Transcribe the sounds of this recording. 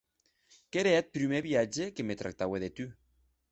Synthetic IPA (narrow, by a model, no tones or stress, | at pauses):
keɾeat̪̚pɾymeβjad͡ʒekemet̪ɾa̰k̚t̪aweðet̪y